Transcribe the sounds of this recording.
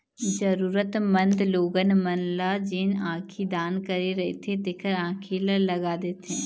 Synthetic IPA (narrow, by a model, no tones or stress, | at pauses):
d͡ʒɐɾuːɾət̪mɐ̃nd̪loːɡənmɐnlad͡ʒɪnãːkʰid̪aːnkɐɾeɾɐɦḛt̪ʰet̪eːkʰəɾãːkʰeləɾlɐɡaːd̪eːt̪ɦɛ̃ː